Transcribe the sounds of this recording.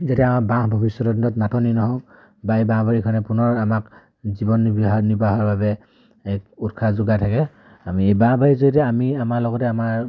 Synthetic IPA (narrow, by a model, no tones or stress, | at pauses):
zatɛamaɹbãhbʱɔbisːɔtɔtdɔtnatɔninɔɦɔ | baebãhbaɹikʰanɛpunɔɹamak | zibɔnːibnibaɦɔɹbabɛ | ɛkutkʰazuɡatʰakɛ | amiebabaɹizoitɛamiamaɹlɔɡɔtɛamaɹ